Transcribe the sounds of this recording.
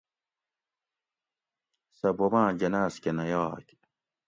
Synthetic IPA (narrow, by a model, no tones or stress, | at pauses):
sɐbomãːd͡ʑɐnaːskenɐjɑːk